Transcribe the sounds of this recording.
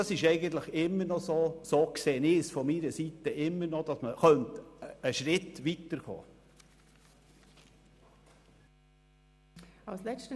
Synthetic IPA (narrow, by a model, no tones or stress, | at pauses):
ɑsɪʃɛɪɡənt̪ləχɪmːəɾnɔsoːsoːkseːnɪsfɔmiɾəsit̪əʔɪmːəɾnɔd̥ɑsməχœntəʃɾɪt̪ʋit̪əɾɡo̰ː | aʊslɛt͡stə